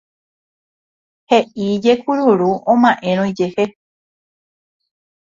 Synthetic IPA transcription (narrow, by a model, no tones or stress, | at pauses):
he̞ʔid͡ʒe̞kuɾuɾuʔõmãʔẽ̞ɾ̃õid͡ʒe̞he